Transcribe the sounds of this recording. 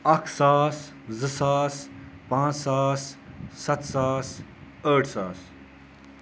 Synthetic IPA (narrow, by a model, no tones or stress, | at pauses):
ɐkʰsaːs | zɨsaːspãːt͡ssaːsːɐt̪saːs | əːʈʰsaːs